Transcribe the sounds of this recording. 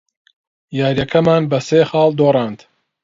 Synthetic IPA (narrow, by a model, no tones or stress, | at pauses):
jaːɾjɐkʰɐmaːnbɐseːxɑːld̪oːrˤɑːnd̪